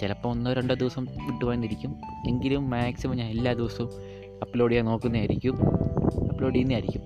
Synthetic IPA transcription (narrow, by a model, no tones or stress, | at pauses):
t͡ɕelɐpːɐmonːɐoɾeɳɖɨd̪iʋɐsɐmʋiʈːuʋaːjnːiɾikʲːume̞ŋɡilumːaːksimɐmɲaːnelːaːd̪iʋɐsɐm | ɐpːlo̞ːɽijaːno̞ːkːunːiaːɾikʲːumɐpːlo̞ːɽiinːiaːɾikʲːum